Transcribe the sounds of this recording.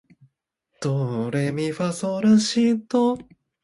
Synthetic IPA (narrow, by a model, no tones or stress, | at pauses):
t̪oɾemʲiɸasoɾaɕit̪o